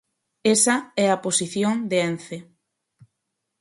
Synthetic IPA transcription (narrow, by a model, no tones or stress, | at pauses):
esɐɛaposiθjoŋd̪eenθe